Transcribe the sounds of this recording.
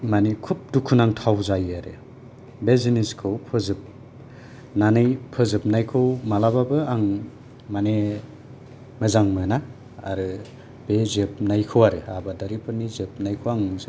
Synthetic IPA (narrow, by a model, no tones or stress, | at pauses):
manikʰup̚dukʰunaŋtʰawzajaɾḛ | beziniskʰɯwpʰɯzɯp̚ | nanɯjpʰɯzɯp̚najkʰɯwmalababɯaŋ | mane | mɯzaŋmɯna̰ː | ɾɯ | bezep̚najkʰɯwaɾɯabadaɾipʰɯnizep̚najkʰɯwaŋzɯ